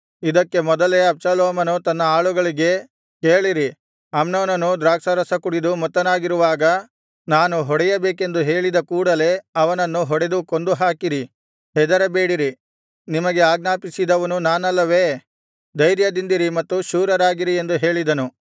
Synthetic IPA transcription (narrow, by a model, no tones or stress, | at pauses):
id̪ɐkːe̞mɔd̪ɐle̞ɐbsɐloːmɐnut̪ɐnːɐaːɭuɡɐɭiɡe̞ | keːɭiɾi | ɐmnoːnɐnud̪ɾaːksɐɾɐsɐkuɽid̪umɔt̪ːɐnaːɡiɾuʋaːɡɐ | naːnuɦɔɽɛjɐbeːke̞nd̪uɦe̞ːɭid̪ɐkuːɽɐle̞ɐʋɐnɐnːuɦɔɽe̞d̪ukond̪uɦaːkiɾi | ɦɛd̪ɐɾɐbe̞ːɽiɾi | nimɐɡe̞aːɡnaːpisid̪ɐʋɐnunaːnɐlːɐʋe̞ː | d̪ɐjɾjɐd̪ind̪iɾimɐt̪ːuʃuːɾɐɾaːɡiɾie̞nd̪uɦe̞ːɭid̪ɐnu